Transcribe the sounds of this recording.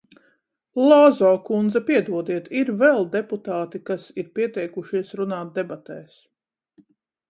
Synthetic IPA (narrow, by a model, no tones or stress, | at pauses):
lˠɔːzɔːkund̪zɐpiɛd̪uɔd̪iɛt̪iɾvɛlˠd̪ɛput̪aːt̪ikasiɾpiɛt̪ɛjkuʃiɛsɾunaːt̪̚d̪ɛbat̪ɛːs